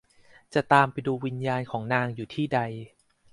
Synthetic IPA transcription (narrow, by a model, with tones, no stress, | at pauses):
t͡ɕa˨˩t̪aː˧mpa˧jduː˧wi˧njaː˧nkʰɔː˩˦ŋnaː˧ŋjuː˨˩t̪ʰiː˥˩da˧j